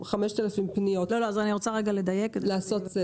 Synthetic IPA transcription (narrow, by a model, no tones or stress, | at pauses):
χameʃt̪elafimpnijot̪loloazaniʁot͡saʁeɡaled̪ajeklaasotze